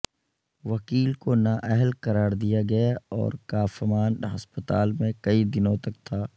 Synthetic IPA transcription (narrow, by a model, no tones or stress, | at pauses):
ʋɐkiːlkonaːʔɛɦəlkɐɾaːɾd̪ijaɡɐjaɔ̰ːɾkaːfəmaːnɦɐspət̪aːlmẽkɐid̪ɪnõt̪ɐk̚t̪ʰaː